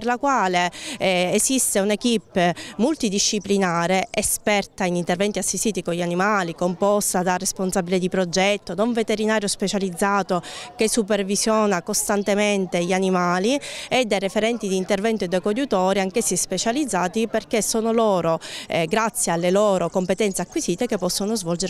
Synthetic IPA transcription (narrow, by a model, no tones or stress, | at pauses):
perlakwaːleː | sist̪eunekipːmult̪id̪iʃːiplinaːɾeʔespɛrt̪ainint̪ervɛnt̪iasːist̪iːt̪ikoʎːianimaːlikompɔst̪ad̪aresponsabiled̪ipɾod͡ʒɛt̪ːonoɱvet̪eɾinaːɾjospet͡ʃalid̪zːaːt̪okesːupervizjɔːnakost̪ant̪ement̪eʎianimaːlied̪ːejrefeɾɛnt̪id̪iːnt̪ervɛnt̪oed̪okod̪ut̪oːɾiaŋkesːispet͡ʃalid̪zːaːt̪iperkesːoːnoloːɾoɡɾat̪sːjealːeloːɾokompet̪ɛnt̪seakːwisiːt̪ekepːɔsːonozvɔld͡ʒeɾ